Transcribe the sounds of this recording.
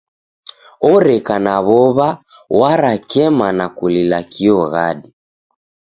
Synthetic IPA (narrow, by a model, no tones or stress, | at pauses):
ɔɾɛkanaβɔβa | waɾakɛmanakulilakʰiɔɣa̰ɗi